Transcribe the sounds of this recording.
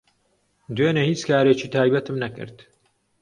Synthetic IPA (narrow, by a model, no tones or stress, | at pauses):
d̪weːnehiːt͡skaːɾeːt͡ʃiːt̪ʰaːjbɐt̪ɨmnɐkɨ̰ɾt̪